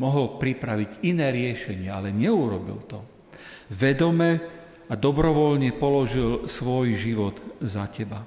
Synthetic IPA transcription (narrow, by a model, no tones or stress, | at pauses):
mɔɦɔlpɾipɾaʋiɟinɛːɾɪɛʃɛɲɪɛalɛɲɛuɾɔbḭlt̪ɔ | ʋɛd̪ɔmɛ | ad̪ɔbɾɔʋɔlɲɛpɔlɔʒilsʋɔjʒiʋɔd̪zacɛba